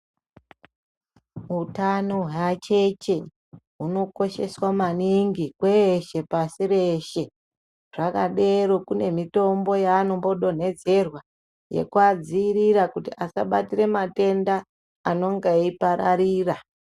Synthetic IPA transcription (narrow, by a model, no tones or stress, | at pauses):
utanoɦjat͡ʃe̞t͡ʃe̞ | ɦuno̞ko̞ʃe̞swamaniŋɡikweʃe̞pasiɾe̞ʃe̞ | ʐ̥akaɗe̞ɾo̞kune̞mito̞mbo̞jaːno̞mbo̞ɗo̞ne̞d͡ze̞rwa | je̞̰kwad͡ziːɾiɾakutiʔasaɓa̰tire̞mate̞ndaː | no̞ŋɡaipaɾaɾiːra